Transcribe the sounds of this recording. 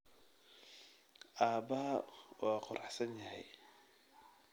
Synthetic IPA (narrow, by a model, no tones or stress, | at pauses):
ʔaːbɐɦɐwɑːqʊɾɑħsɐnjɐɦɛj